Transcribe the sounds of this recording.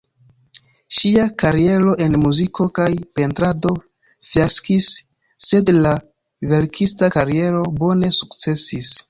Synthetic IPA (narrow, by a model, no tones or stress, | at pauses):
ʃiakaɾie̞ɾo̞ʔe̞nmuzikʰo̞kajpe̞ntɾado̞ | fjaskisː | e̞dla | ve̞ɾkʰistakaɾie̞ɾo̞bo̞ne̞sukt͡se̞sis